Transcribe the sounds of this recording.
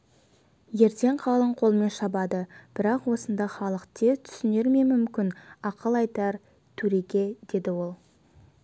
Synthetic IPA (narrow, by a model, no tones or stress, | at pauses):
je̞ɾt̪e̞ɴqʰɑlˠəɴqʰo̞lˠme̞nʃɑbɑd̪əb̥ɪɾɑqwo̞sənd̪ɑχɑlˠəqt̪et̪ʰʏ̥sɪne̞ɾme̞mʏmkʲɪnɑqəlˠɑjt̪ɑɾ | t̪ʰɵɾe̞kʲe̞d̪e̞d̪ɪwo̞lˠ